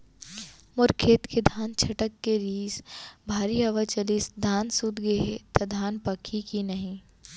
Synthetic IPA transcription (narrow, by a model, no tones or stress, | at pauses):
mʊɾkʰeːt̪ked̪ʱaːnt͡ʃʰɐʈəkːeɾiːzbʱaːɾiɐʋət͡ʃɐliːsd̪ʱaːnsud̪ɡeɦet̪ɐd̪ʱaːnpɐkʰikinɐɦĩ